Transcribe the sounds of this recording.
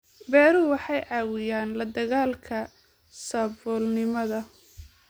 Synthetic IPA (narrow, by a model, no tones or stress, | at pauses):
bɛːɾʊwɑħɑjʕɑːwʊjaːnlɐd̪ɐɣaːlkʰɐ | sɐbɔːlnɪmɐðɐ